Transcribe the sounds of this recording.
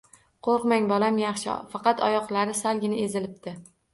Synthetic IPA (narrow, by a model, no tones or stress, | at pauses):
qʰoɾqmaŋbɒlamjɑχʃɪ̰fɑqɑt̪ʰɒjɒqlˠaɾɪsalˠɡʲɪnɪe̞zɪlɪp̚t̪ɪ